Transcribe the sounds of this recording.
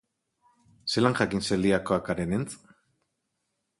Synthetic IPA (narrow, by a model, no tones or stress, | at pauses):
selaŋʝakinseld̪iakoakaɾenent͡s